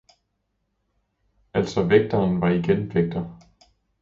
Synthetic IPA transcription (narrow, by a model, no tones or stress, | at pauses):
æl̰sɒ̽ʋeɡ̥̚d̥ɐːnʋɑ̈iɡ̥enʋeɡ̥̚d̥ɐ